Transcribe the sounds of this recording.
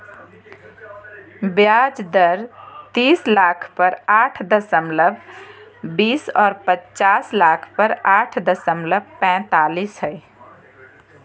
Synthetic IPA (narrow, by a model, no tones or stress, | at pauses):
bjaːd͡ʒd̪əɾt̪iːslaːkʰpəɾaːʈʰd̪əsəmləbʱ | biːsɔːɾpətt͡ʃaːslaːkʰpəɾaːʈʰd̪əsəmləb̚pɛ̃t̪aːliːsɦəɪ